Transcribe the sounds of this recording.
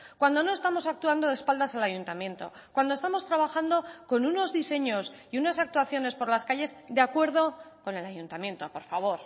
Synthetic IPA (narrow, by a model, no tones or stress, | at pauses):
kwand̪o̞no̞est̪amo̞sak̚t̪uand̪o̞ðe̞spald̪asalaʝunt̪amjẽ̞nt̪o̞̰ | kwand̪oest̪amo̞st̪ɾaβaxand̪o̞ko̞nuno̞zðise̞ɲo̞siunasak̚t̪waθjo̞ne̞spo̞ɾlaskaʎe̞zd̪eakwe̞ɾð̞o̞ko̞ne̞lajunt̪amje̞nt̪o̞po̞ɾfaβ̞o̞ɾ